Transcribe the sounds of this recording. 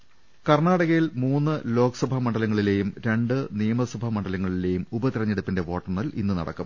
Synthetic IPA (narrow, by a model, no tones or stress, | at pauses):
kɐrnaːɽɐɣɐjilmuːnːɨlo̞ːkɐ̥sɐbʱɐmɐɳɖɐlɐŋːɐɭile̞ːjumɾe̞ɳɖɨnijɐmɐsɐbʱɐmɐɳɖɐlɐŋːɐɭile̞ːjumubɐt̪iɾɐɲːeɽupːinde̞ʋo̞ːʈːɐrnɐlʔḭnːunɐ̰ɽɐ̰kːum